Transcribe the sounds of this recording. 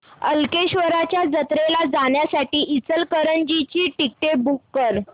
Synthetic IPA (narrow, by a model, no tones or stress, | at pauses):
əlkeɕʋəɾat͡ɕjad͡zət̪ɾelad͡zaɳjasaʈiːʔit͡səlkəɾənd͡ʑit͡ɕiːʈik̚ʈebukːəɾ